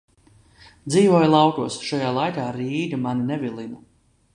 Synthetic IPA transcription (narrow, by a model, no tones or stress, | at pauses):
d̪ziːvuɔjlˠɑwkuɔsʃajaːlˠajkaːɾiːd̪imaninɛvilˠinu